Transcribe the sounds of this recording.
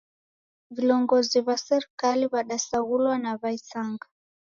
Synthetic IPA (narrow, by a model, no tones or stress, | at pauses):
vilɔŋɡɔziβasɛɾikaliβaɗasaɣulwanaβaisaŋɡa